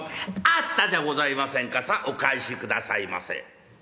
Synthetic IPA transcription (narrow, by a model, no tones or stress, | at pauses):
at̪ːad̪aɡo̞zaimasẽ̞ŋkasaʔokaiɕikɯ̟d̪asa̰ima̰sḛ̃